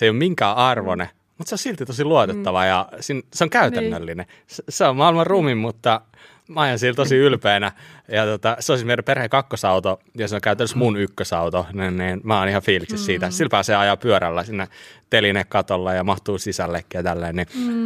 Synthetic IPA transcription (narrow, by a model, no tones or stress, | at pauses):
seˑjomiŋkæːɑrʋone | mut̪seosilt̪it̪osiluot̪et̪ːɑʋɑjɑsinseoŋkæyt̪ænːølːine | sseommɑilmɑrruːmimmut̪ːɑ | mæɑjɑnsiːlt̪osiylpeːnæjɑt̪ot̪ɑseoˑsismiereperhekɑkːosɑut̪o | jɑseoŋkæˑyt̪ænːəsmunykːøsɑut̪oninniːnmæonihɑfiːliksessiːt̪æsilpæhɑseɑjɑpyøɾælːæsinːet̪elinekkɑt̪olːejɑmɑht̪uːsisælːekːijɑt̪ælːeːnni